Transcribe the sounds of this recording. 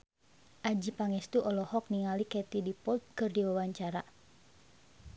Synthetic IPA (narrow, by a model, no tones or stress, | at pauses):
ʔad͡ʒipaŋɛst̪uʔɔlɔhɔk̚niŋalikɛt̪idipɔlt̪̚kɨrdiwawaɲt͡ʃaɾa